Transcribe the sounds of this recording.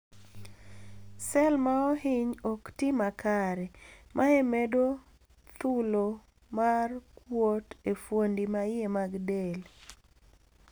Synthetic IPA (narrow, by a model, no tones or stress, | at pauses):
sɛlmaɔhɪɲɔktimakaɾɛmʔaemedo | t̪ulo | markwotefwondimajemaɡdel